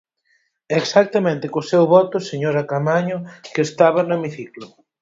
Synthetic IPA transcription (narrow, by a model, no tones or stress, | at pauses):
eksak̚t̪amẽnt̪ɪkʊsewβɔt̪ʊseɲoɾakamaɲʊkeːst̪aβ̞anʊemiθiklʊ